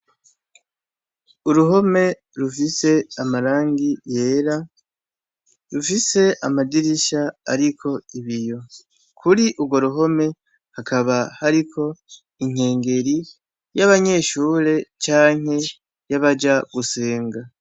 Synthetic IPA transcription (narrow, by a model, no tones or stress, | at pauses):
uɾuɦo̞me̞ | ɾufise̞amaɾaːŋɡije̞ːɾa | ɾufise̞ʔamadiɾiʃa̰ːɾikʰo̞iβijo̞ | kʰuɾiʔubɡo̞ɾuɦo̞me̞ | hakʰaβahaɾikʰo̞ | iŋ̥e̞ːŋɡe̞ɾi | jaβaɲe̞ːʃuːɾe̞t͡ʃaːŋ̥he̞ | jaβad͡ʒaɡuse̞ːŋɡa